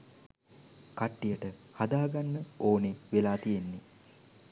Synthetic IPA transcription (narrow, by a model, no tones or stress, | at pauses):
kaʈːijəʈəhad̪aːɡanːəoːneʋelaːt̪ijenːi